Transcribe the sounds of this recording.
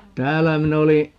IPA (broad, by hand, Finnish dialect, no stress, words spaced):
tæːlːæ min oli